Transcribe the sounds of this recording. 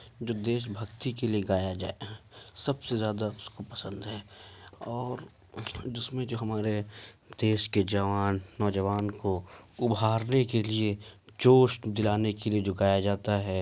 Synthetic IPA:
d͡ʒoːd̪eːʃ̬bʱɐkt̪ikelieɡaːjad͡ʒaːesɐbsezjaːd̪aʊskopɐsə̃nd̪ɦɛːɔːɾ | d͡ʒɪsmẽd͡ʒoːɦɐmaːɾed̪̥eːʃked͡ʒɐʋaːnːɔːd͡ʒəʋaːnkoʊbʱaːɾnekeliet͡ʃoːʃʈd̪ɪlaːnekelied͡ʒoːɡaːjad͡ʒaːt̪aɦɛː

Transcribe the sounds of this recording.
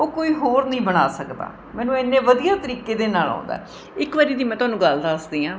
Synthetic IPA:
oːkoːiːɦoːɾnəĩːbəɽ̃a̰ːsəkd̪a̰ː | mɛ̃ːnũːeːnːẽːʋəd̪ijaːt̪əɾiːkeːd̪eːnaːlã̰ːnd̪a̰ː | ɪkʋəɾiːd̪iːmɛ̃ːt̪ʊaːnũːɡəld̪aːəsd̪iːãː

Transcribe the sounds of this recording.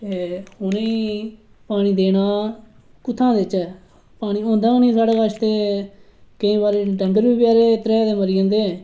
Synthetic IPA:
t̪eːhʊneiː | paːɽ̃iːd̪eːɽaː | kʊt̪ʰːãːd̪eːt͡ʃɛː | paːɽ̃iːõːnd̪aːõːnĩːsaːɽeːbaʃt̪eː | kəĩːbaːɾeːɖə̃ŋɡəɾbiːpjaːɾeːt̪əɾɛːd̪eːməɾiːõːnd̪eːɛ̃ː

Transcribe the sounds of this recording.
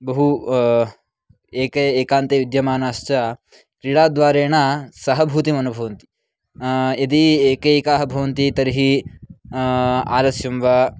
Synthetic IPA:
bɐɦu | eːkɐeːkaːnt̪eʋid̪jɐmaːnaːst͡ʃɐ | kɾiɽaːd̪ʋaːɾeːɳɐsɐɦɐbʱut̪imɐnubʱɐʋɐnt̪i̥ | ɐd̪ieːkɐeːkaːɦɐbʱɐʋɐnt̪it̪ɐɾɦi | a̰ːlɐsjɐmʋa

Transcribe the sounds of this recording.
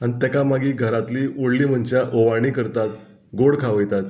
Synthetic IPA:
añit̪jakamaɡiːɡʱəɾat̪liːoɽliːm̤ənt͡ɕjaʔoʋaɽ̃iːkəɾt̪at̪ | ɡoɽkʰaʋəjt̪at̪

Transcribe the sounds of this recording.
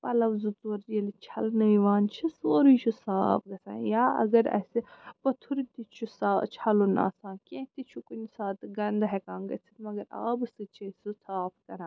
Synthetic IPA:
pɐlɐʋzut͡soːɾjɐlit͡ʃʰɐlnɐiʋaːnt͡ʃʰisoːɾut͡ʃʰusa̰ːpʰɡɐsã̰ːjaːɐ̰ɡɐɾɐ̰sipɐt̪ʰuɾit̪it͡ʃʰusaːt͡ʃʰɐluna̰ːsãːkʲẽt̪it͡ʃʰukunʲsaːt̪ɡɐnd̪ɦekãːŋɡɐ̰t͡sʰi̥t̪mɐɡɐɾa̰ːbɨsɨt͡ʃʰisɨsaːpkɐɾãː

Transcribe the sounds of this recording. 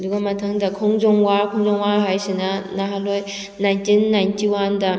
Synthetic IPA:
duɡɐmɐtʰɐŋdɐkʰɔŋzɔŋwakʰɔŋzɔŋwaɦajsinɐnaɦaloj | najntinːajntiwandɐ

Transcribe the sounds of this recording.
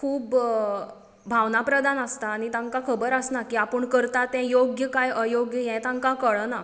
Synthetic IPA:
kʰuːb | bʱaʋnapɾəd̪anəst̪aːñit̪ãŋkakʰəbəɾəsnakiːapəɳkəɾt̪at̪ːɛ̃joɡjəkajʔəjoɡjəjɛ̃t̪ãŋkakəɭəna

